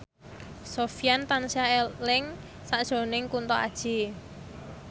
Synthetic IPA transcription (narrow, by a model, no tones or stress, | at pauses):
sofijant̪ansiaelɪŋ | saʔd̥ʒ̥o̤nɪŋkunt̪ɔa̰d̥ʒ̥i̤